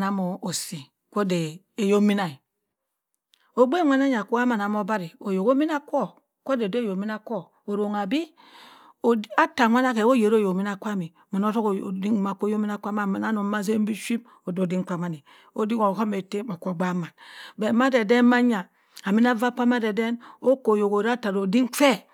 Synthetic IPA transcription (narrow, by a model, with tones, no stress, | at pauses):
na˨mo˨o˨si˨ | ko˦de˨ | e˨jo˦mi˦na˨i˨ | o˦ɡ͡be˦ŋʷa˦na˦ɲa˨ko˦a˦ma˨n˨a˨mo˦ba˦ɾi˨o˨jo˨ko˦mi˦na˦kʷo˦ | ko˦de˨de˦jo˨mi˦na˦ko˦ | o˨ɾo˨ŋa˨bi˦ | o˨a˦ta˨ŋʷa˦na˦ke˨o˦je˨ɾo˦˨jo˨mi˦na˨kʷa˦mi˨ma˨no˦ɾo˦kdi˦ŋ˦ma˨ko˦jo˦mi˦na˦ka˦ma˨ma˨na˦no˨˦ma˦s̬e˦m̩˦bi˦ʃi˦b̚ | o˨do˨di˦ŋ˦k͡pa˨ma˦ni˨ | o˦di˦ko˨ɦo˦me˨te˦ma˨ko˦˨ɡ͡ba˦ma˨nbe˨ma˦de˨de˦n˦ma˦ɲa˨ | a˨mi˦na˦va˦pa˦ma˦de˨de˦no˦ko˨jo˨ko˨ɾa˦ta˨ɾo˨di˦ŋ˦fe˦